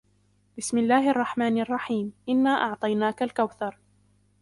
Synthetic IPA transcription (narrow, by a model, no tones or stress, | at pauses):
bɪsmɪlːaːhʔɑrˤːɑħmaːnʔɑrˤːɑħiːmʔɪnːaːʔɑʕt̪ˤɑjnaːkalkawθɑɾˤ